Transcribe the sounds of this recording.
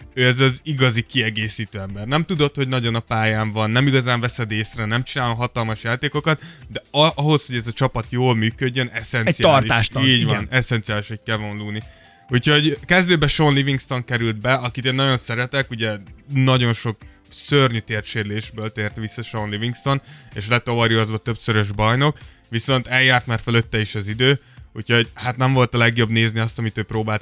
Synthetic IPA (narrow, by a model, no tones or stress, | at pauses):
øːɛzɒziɡɒzikiɛɡeːsiːt̪øːɛmbɛrnɛmt̪ud̪o̞t̪ho̞ɟnɒɟo̞nɒpaːjaːɱvɒnːɛmiɡɒzaːɱvɛsɛd̪eːsrɛnɛmt͡ʃinaːlomɦɒt̪ɒlmɒʃjaːt̪eːko̞kɒt̪d̪ɛɒɦo̞sho̞ɟɛzɒt͡ʃɒpɒt̪joːlmyːkø̞ɟːønʔɛsɛnsiːrliaʃʃiːɟvɒnɛsɛnt̪sijaːliʃhoc̚kɛvonluːni | ucho̞ɟkɛzd̪øːbɛʃonliviŋkst̪o̞ŋkɛɾyld̪̚bɛɒkit̪eːnːɒɟo̞nsɛɾɛt̪ɛkuɟɛnɒɟo̞nʃo̞k | sørɲyt̪eːrʃeːɾleːʃbøːlt̪ɛeːrt̪ʋisːɒʃonliviŋkst̪o̞neːʃlɛt̪ovɒɾjoozbɒt̪ø̞psøɾøʒbɒjno̞k | ʋiso̞nt̪ɛljaːrt̪maːrfølø̞t̪ːɛiʃɛzid̪øː | uːcho̞ɟhaːt̪nɛɱvo̞lt̪ɒlɛɡjo̞bneːzniɒst̪ɒmit̪øːpɾoːbaːlt̪